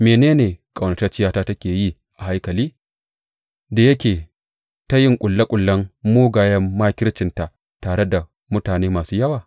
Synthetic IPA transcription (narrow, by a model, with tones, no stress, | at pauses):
meː˨neː˦neː˨kʼa˨wnɐ˨tɐ˦t͡ʃɪ˦jaː˦taː˦tɐ˦kʲeː˨ji˦ | ʔa˨ha˦jkɐ˨liː˦ | da˨jɐ˦kʲeː˨ | ta˦jɪ˦ŋkʷʼʊ˨lːɐ˦kʷʼʊ˨lːɐ˦mːoː˦ɡaː˨jɐ˦mːaː˦kʲɪ˦ɽt͡ʃɪ˨nta˨ʔ | taː˨ɽe˦da˨ | mʊ˦taː˨neː˦maː˨suː˦jɐ˦waː˨